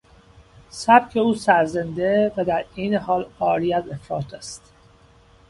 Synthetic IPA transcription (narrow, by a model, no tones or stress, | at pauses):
sæb̥cʰe̞uːsæɾzend̪evæd̪æɾeːnehɒːlɒːɾiæzefɾɒːt̪ʰæst̪